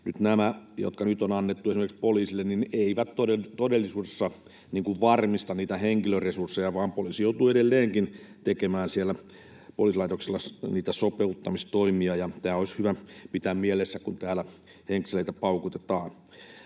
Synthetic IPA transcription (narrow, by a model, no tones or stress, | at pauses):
nyt̪næmæjo̰t̪kɑnyt̪onɑnːet̪ːuesimerkspoliːsilːennineiʋæt̪toet̪odelːisuːdesːɑ | niːŋkuʋʋɑrmist̪ɑnniːt̪æheŋkiløresursːejɑʋɑːmpoliːsijout̪uedelːeːŋkint̪ekemæːnsielːæ | poliːˑsilɑit̪okselːɑniːt̪æsopeut̪ːɑmist̪oimiɑjɑt̪æːoishyʋæpit̪æːmmielesːækunt̪æːlæ | heŋksileit̪æpɑukut̪et̪ɑːn